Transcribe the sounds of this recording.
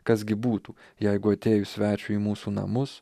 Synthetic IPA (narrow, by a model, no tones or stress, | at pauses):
kɐzɡʲɪbuːt̪uːjɛɪɡʊɐt̪ʲeːjʊsʲʋʲæːt͡ʃʲʊiːmuːsuːnɐ̰mʊs